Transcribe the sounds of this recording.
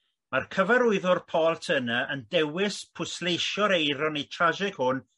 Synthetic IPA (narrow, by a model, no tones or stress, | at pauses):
markʰəvaɾʊɨðʊrpʰɔːlˠtʰənəʔəndɛwɪspʰʊslejʃjɔɾejɾɔnitʰraʒɪkhʊn